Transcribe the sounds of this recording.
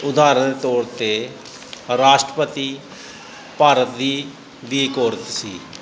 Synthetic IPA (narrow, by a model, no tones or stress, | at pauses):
ʊd̪aːɾənd̪eːt̪ɔːɾt̪eː | ɾaːʃʈɾəpət̪iː | paːɾət̪̚d̪iː | d̪iːkoːɾət̪siː